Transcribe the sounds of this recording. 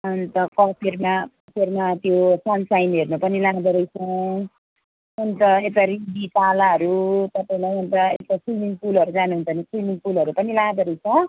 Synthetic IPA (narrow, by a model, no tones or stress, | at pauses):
ʌnt̪ʌkʌpʰermakʌpʰermat̪josʌnsajnɦernupʌnilad̪ʌɾʌjt͡sʰʌ̃ | unt̪ʌek̚ʈaɾibitalaɦʌɾut̪ʌpaĩlajunt̪ʌḛkʈasimiŋpulʌɾud͡zanuɦunt͡sʰʌnisrimiŋpulʌɾupʌnilaɡd̪ʌɾʌjt͡sʰʌ